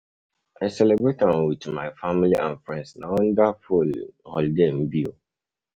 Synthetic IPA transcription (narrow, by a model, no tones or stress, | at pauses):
ʔaɪsɛlɛbɹetãmwitmaɪfamiliʔã̰nfɹɛ̃ndsnaɔ̃ndafulhɔ̰ldem̩bi